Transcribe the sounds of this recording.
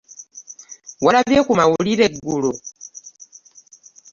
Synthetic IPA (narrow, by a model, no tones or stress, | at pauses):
walaβjɛkumawuliɾɛɡulɔ